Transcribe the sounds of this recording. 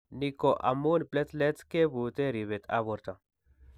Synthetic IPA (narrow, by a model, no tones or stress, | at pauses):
nikoʔa̰munplet͡slet͡skebut̪eɾiβet̪a̰boɾt̪a